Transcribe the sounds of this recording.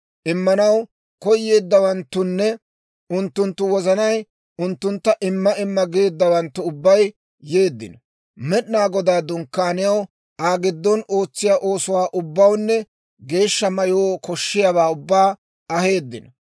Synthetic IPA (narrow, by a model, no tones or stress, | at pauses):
ʔɪmːɐnɐw | kɔjːe̞ːd̪ːɐwɐnt̪ːʊnːɛ | ʔʊnt̪ːʊnt̪ːʊwɔzɐnɐj | ʊnt̪ːʊnt̪ːɐʔɪmːɐɪmːɐɡeːd̪ːɐwɐnt̪ːʊʊbːɐj | je̞ːd̪ːɪ̰nɐ | mɛɗnaːɡɔd̪aːd̪ʊŋkːaːnɪjɐw | aːɡɪd̪ːɔnʔo̞ːt͡sːɪjaʔo̞ːsʊwaːʔʊbːɐwnːɛ | ɡe̞ːʃːɐmɐjoːkɔʃːɪjabaːʊbːaː | ɐhe̞ːd̪ːɪnɐ